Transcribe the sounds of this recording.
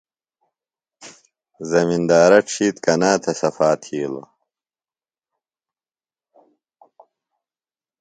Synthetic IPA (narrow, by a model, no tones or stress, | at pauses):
zɐmind̪aːɾɐʈ͡ʂʰiːt̪kɐnaːt̪ʰɐsɐfaːt̪ʰiːlo̰